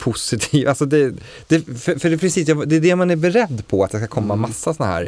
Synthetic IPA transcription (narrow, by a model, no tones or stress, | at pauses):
pʰʊsɪt̪ʰiːvʔalsɔd̪ɛ | d̪̥ɛfœfœɖɛpʰɾɪsiːs̬jad̪ɛːd̪ɛmanæɾbɛɾɛd̪ːpʰɔat̪jɑːskakʰɔmːamasːasɔnaɦæ̰ːɾ